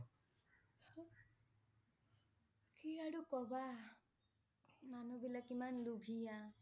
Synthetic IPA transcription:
kiaɽukɔba | manubilakimanlubʱija

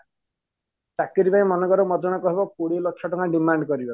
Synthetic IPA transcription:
t̪akiɾipaĩmɔnɔkɔɾɔmɔd̪ɔɽ̃ɔkɔɦebɔkoɽilɔkʰːjɔʈɔŋɡaɖimaɳɖkɔɾibɔ

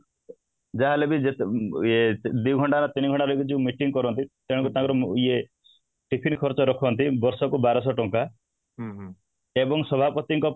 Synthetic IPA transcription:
d͡ʒaɦalebid͡ʒeed̪iuɡʱɔɳʈanɔt̪iniɡʱɔɳʈaɾɔjkid͡ʒeũmiʈiŋɡkɔɾɔnt̪it̪eɽ̃ŋkut̪ãŋkɔɾɔie | ʈipʰinkʰɔɾt͡ʃɔɾɔkʰɔnt̪ibɔɾsɔkubaɾɔsɔʈɔŋka | ebɔŋsɔbʱapɔt̪iŋkɔ

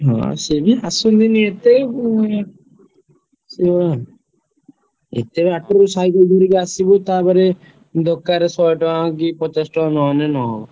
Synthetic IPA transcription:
ɦɔ̰̃sebʱiasund̪iniet̪e | seɔa | ḛt̪ebeaʈoɾusaik̪ɔɡ̪ʱuɾikasibut̪abaɾe | d̪ɔkːaɾesɔjʈɔãk̬ipɔt̪esʈɔnɔnenɔɦɔ

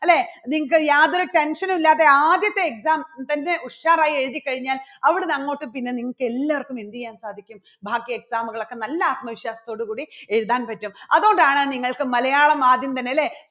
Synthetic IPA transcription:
ɐlːeniŋːɐkɨjaːðo̞ɾuʈe̞nʂɐnumilːaːt̪ːeaːd̪jɐt̪ːe̞ːksaːmt̪ɐnde̞ʔuʂaːraːjie̞ɻuðikːɐɻiɲːaːlɐʋiɽenɐŋːo̞ːʈːɨpinːe̞niŋːɐɭkɨe̞lːaːʋɐrkːumind̪ikːjaːnsaːd̪ʱikʲːum | bʱaːɡjɐeksaːmuɣɐɭo̞kːe̞nɐlːɐaːt̪̚mɐʋiʂjaːsɐt̪o̞ːɽukuːɽieɻuðaːnpɐtːumɐðuoɳɖaːɳɨniŋːɐɭkɨmɐlɐjaːɭɐmaːd̪jɐmt̪ɐnːeɐle

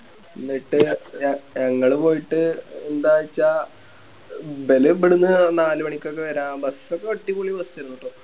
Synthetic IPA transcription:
inːiʈːɨɐɲɐŋːɐɭɨpo̞ːjiʈːɨend̪aːjit͡ɕːaː | be̞lɨbiɽunːɨnaːlɨʋɐɳikʲːokːeʋɐɾaːbɐsokːeoʈːikoɭiʋɐst͡ɕːɐɾunːuʈːoː

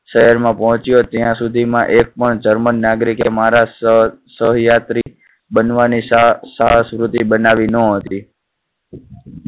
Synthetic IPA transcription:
ʃəɦəɾmãpɔɦɔ̃t͡ʃijot̪jãsud̪ʱimãʔek̚pəɳd͡ʒəɾmənːaɡɾikemaɾasəɦjat̪ɾi | bənʋanisaɦəsʋɾut̪ibənaʋinə̃ɦət̪i

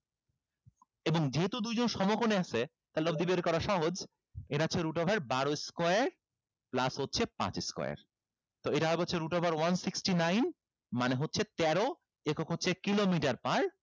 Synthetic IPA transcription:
eboŋd͡ʑeɦet̪ud̪ujd͡ʑonʃɔmokoneaʃʰe | t̪alɔbd̪ibeɾkɔɾaʃɔɦod͡ʑ | eɾaːt͡ɕʰeɾuʈobʱaɾbaɾoiskɔeɾ | plasɦotːɕʰepã̰t͡ɕiskɔ̰jḛɾ | t̪oeʈaɦɔeboːeɾuʈobʱaɾwansiksʈinajn | maneɦotːɕʰet̪ɛɾo | ekokɦotːɕʰekilomiʈaɾpaɾ

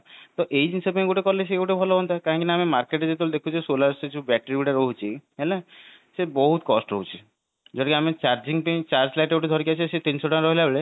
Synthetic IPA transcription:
t̪ɔʔejd͡ʒinsɔbẽɡuʈekɔles̬eɡuʈebʱɔlɔɦɔnt̪akaɦɔ̃ŋkinaamimaɾkeʈed͡ʒet̪old̪ekʰud͡ʒesolaɾsed͡ʒubɛʈɾiuʈaɾoɦut͡ʃʰiɦele | sebɔɦut̪kɔsʈo̰ɦut͡ʃʰi | d͡ʒɔʈikiamet͡ʃaɾd͡ʒiŋpej̃t͡ʃaɾsslajʈeɡuʈed̪ʱɔɾkiat͡ʃʰiset̪insoʈɔnɾɔɦilabeɭe

